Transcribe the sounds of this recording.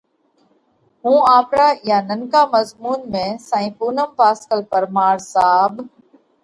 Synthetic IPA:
ɦũːaːpɾaːjaːnəŋkaːməzmuːnmẽːsãːĩːpuːnəmpaːskəlpəɾmaːɽsaːb

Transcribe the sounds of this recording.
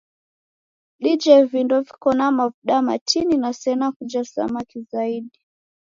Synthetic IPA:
ɗid͡ʒɛvindɔvikɔnamavuɗama̰tʰininasɛnakud͡ʒasa̰makizaiɗi

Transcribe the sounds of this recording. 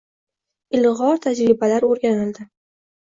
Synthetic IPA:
ɪlʁɒɾt̪ʰad͡ʒɾɪbalaɾoɾɡʲanɪld̪ɪ

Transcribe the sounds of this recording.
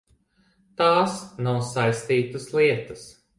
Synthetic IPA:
t̪aːsnawsajst̪iːt̪ɨsliɛt̪ɐs

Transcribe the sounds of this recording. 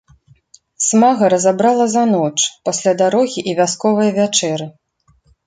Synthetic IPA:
smaɣɐɾɐzabɾalˠɐzanɔt͡ʂpasʲlʲad̪aɾɔɣʲiʔivʲaskɔvɐjɐvʲat͡ʂɛɾɨ

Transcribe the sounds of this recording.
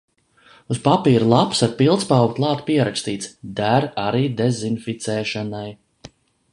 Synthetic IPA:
uspapiːɾulˠapsaɾpilˠt̪spawɡt̪lˠɑːt̪piɛɾakst̪iːt̪sd̪æɾaɾiːd̪ezinfit̪sɛːʃanaj

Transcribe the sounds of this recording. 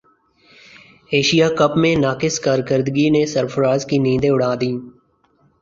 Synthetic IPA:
eːʃijaːkəpmẽnaːkɪskaːɾkəɾd̪ɡinesəɾpʰəɾaːzkinĩːd̪ẽʊɽ̤aːd̪iː

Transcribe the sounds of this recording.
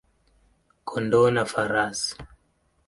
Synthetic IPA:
kʰɔndɔnafaɾas

